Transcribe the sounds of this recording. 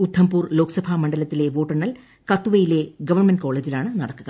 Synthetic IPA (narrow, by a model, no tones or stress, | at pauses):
ud̪ʰʱːɐmpuːrlo̞ːkɐ̥sɐbʱamɐɳɖɐlɐt̪ːile̞ʋo̞ːʈːɐɳːɐl | kɐt̪ːuʋɐjile̞ɡɐʋɐrnmɐnɖko̞ːɭe̞ːd͡ʑilaːɳɨnɐɽɐkːuɣɐ